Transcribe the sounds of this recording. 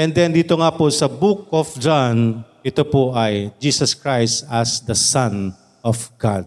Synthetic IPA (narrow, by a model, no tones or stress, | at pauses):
ʔɛnd̪ɛnd̪iːt̪oŋaposɐbuk̚ɔfd͡ʒanʔɪt̪opoʔɐjd͡ʒiːsɐskɹajst̪ɐsd̪ɐsãn | ɔfɡ̥ad̪̚